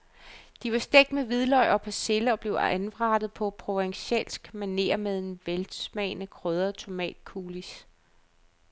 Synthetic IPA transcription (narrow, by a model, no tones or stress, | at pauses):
d̥iʋɑ̈sd̥eɡ̥d̥meʋið̞ˠlɒ̽ɪ̰ɒ̽pʰæseləɒ̽b̥le̝ʊænʋʁɑ̈ːd̥ð̩ˠpʰɒ̽pʰʁo̝ɑ̈ŋɕel̰sɡ̥mæne̝̰ːɐmeðˠenʋelsmɛːnəkʰʁœːð̞ˠɐt͡sʰo̝mɛ̰ːd̥kʰuːlis